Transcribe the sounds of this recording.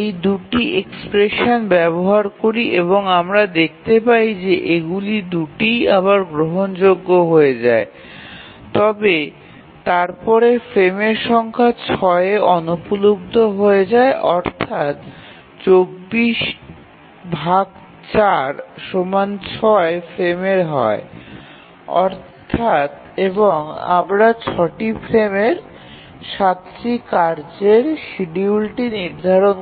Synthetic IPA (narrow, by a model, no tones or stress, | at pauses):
ejd̪uʈiʔekspɾeʃonbɛboɦaɾkoɾiʔeβoŋamɾad̪ek̚ʰt̪epaid͡ʑeʔeɡulid̪uʈijaβaɾɡɾoɦond͡ʑoɡːoɦoed͡ʑae | t̪ɔbe | t̪aɾpɔɾefɾemeɾʃɔŋkʰat͡ɕʰɔeɔnopulob̚d̪ʱoɦoed͡ʑaeʔɔɾt̪ʰat̪ | t͡ɕobːiʃ | bʱaɡ | t͡ɕaɾʃomant͡ɕʰɔefɾemeɾɦɔ̰e | ɔ̰ɾtt̪ʰat̪ | eboŋa̰mɾat͡ɕʰɔʈifʰɾemeɾ | ʃat̪ɾikaɾd͡ʑeɾʃiɖiulʈiniɾd̪ʱaɾon